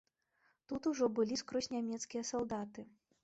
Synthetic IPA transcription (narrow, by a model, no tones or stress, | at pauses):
t̪ut̪uʐɔbɨlʲiskɾɔsʲnʲamʲɛt̪skʲijɐsalˠd̪at̪ɨ